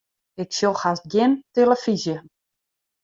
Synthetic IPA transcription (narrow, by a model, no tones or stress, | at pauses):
ɪksolˠxast̚ɡjɪnteləfizjə